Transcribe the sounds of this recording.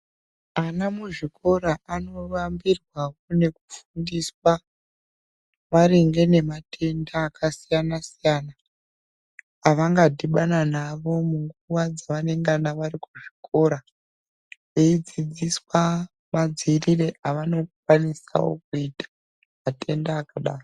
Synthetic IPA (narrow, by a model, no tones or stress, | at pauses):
anamuʐiko̞ɾaʔano̞ʋambirwawone̞kufundiswa | maɾiŋɡe̞ne̞matʰe̞ndaːkasijanasijana | ʋaŋɡadʱiɓananaʋo̞muŋɡuʋad͡zaʋane̞ŋɡanaʋaɾikuʐikʰo̞ɾa | ʋeid͡zid͡ziswa | mad͡zirire̞ʔaʋano̞kukwanisa̰wo̰k̚uitḁ | mate̞ndaːkaɗaːro